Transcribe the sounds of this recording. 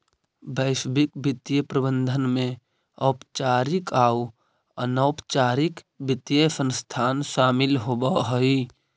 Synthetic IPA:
bəɪʃbikbɪt̪jəpɾəbə̃nd̪ʱənmẽ | əːpt͡ʃaːɾikaːu | ə̰nəːpt͡ʃaːɾɪk | bɪt̪jəsə̃nst̪ʰaːnʃaːmɪlɦobəɦəi

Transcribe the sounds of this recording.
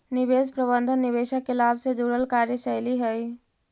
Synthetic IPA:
nibespɾəbənd̪ʱənːiβesəkːelabsẽd͡ʒuɽəlkaɾjəsəɪliɦəj

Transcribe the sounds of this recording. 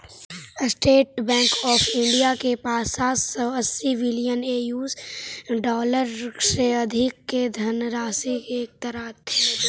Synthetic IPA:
sʈeːʈ̚bɛ̃ːŋkɔːfʰɪ̃ɳɖijakepaːsaːsːɔəsːiʋɪlijəneːjuːzɖɔːləɾseɐd̪ʱɪkːed̪ʱɐnɾaːsikeːk̚t̪əɾaːt̪ʰːeː

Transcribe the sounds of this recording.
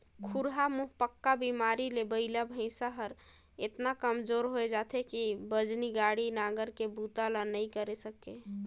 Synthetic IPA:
kʰuɾɦamuɦpəkːabimaɾilebəɪlabʱə̃ɪ̃saɦəɾ | et̪nakəmd͡ʒoɾɦoed͡ʒat̪ʰekibəd͡ʒniɡaɽinaɡəɾkebut̪alanəikəɾesəke

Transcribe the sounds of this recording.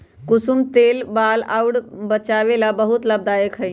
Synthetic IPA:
kʊsumt̪eːlbaːlauɽbət͡ʃaːʋelabəɦut̪ləb̚d̪aːjəkɦəi

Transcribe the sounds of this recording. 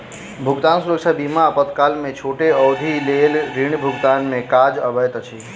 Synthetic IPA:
bʱʊɡt̪aːnsuɾəkʃabimaəpət̪kaːlmẽt͡ʃʰoːʈeɔwd̪ʱilelɾiɳbʱʊɡt̪aːnmẽkad͡ʒəbəjt̪ət͡ʃʰi

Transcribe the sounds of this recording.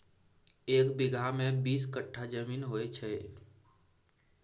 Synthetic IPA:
eːkbɪɡʱamẽbiːskəʈʰːad͡ʒəmiːnɦoːet͡ʃʰe

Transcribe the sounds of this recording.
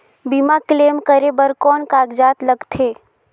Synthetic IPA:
bimakleːmkəɾebəɾkɔːnkaːɡd͡ʒaːt̪ləɡt̪ʰeː

